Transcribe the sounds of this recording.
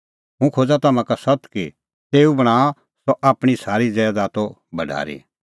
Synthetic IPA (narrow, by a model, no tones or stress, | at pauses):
ɦũkʰoːd͡zat̪ɐmãkasɐt̪ki | t̪eːubɐɽ̃aː | sɔʔaːpɽ̃isaːɾid͡zɛːd̪aːt̪o | bʱɐɖʱa̰ːɾḭ